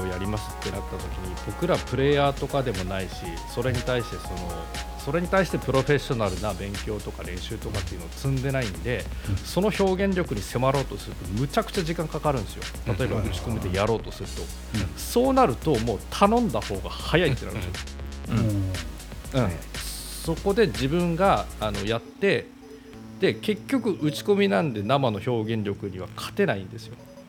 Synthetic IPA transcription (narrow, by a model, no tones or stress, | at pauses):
ojaɾʲimasɨ̥t̪ːe̞nat̪ːat̪o̞kʲiɲ̟ibo̞kɯ̟ɾapɯ̟ɾe̞ːjaːt̪o̞kad̪e̞mo̞naiɕi | so̞ɾe̞ɲ̟it̪aiɕi̥t̪e̞so̞no̞ | so̞ɾe̞ɲ̟it̪aiɕi̥t̪e̞pɯ̟ɾo̞ɸe̞ɕo̞naɾɯ̟nabẽ̞ŋkʲo̞ːt̪o̞kaɾẽ̞ɕɨːt̪o̞kat̪ːeiɯno̞ːt͡sɨ̃nd̪e̞naĩnd̪e̞so̞no̞ço̞ːɡẽ̞ɲɾʲo̞kɯ̟ɲ̟ise̞maɾo̞ːt̪o̞sɨɾɯ̟t̪o̞mɯ̟t͡ɕakɯ̟̥t͡ɕaʑikãŋkakaɾɯ̟̃nesɨjo̞̰t̪at̪o̞ebaɯ̟t͡ɕi̥komɯd̪e̞jaɾo̞ːt̪o̞sɨɾɯ̟t̪o̞ | so̞ːnaɾɯ̟t̪o̞mo̞ːt̪ʰanõ̞nd̪aho̞ːɡa̰hajait̪ːenaɾɯ̟nd̪esɨjõ̰ | ɯ̟̃so̞ko̞d̪e̞ʑibɯ̟̃ŋɡaːno̞jat̪ːe̞ | d̪̥e̞ke̞kʲːo̞kɯ̟ʔɯ̟t͡ɕi̥ko̞mʲinãnd̪e̞namano̞ço̞ːɡẽ̞ɲɾʲo̞kɯ̟ɲ̟iβ̞akʰḁt̪e̞naĩnd̪e̞sɨjo̞